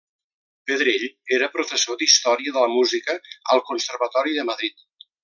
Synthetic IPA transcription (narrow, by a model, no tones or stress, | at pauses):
pəðɾeʎeɾəpɾufəsod̪ist̪ɔɾiəðələmuzikəəlˠkunsərβət̪ɔɾiðəməðɾit̪̚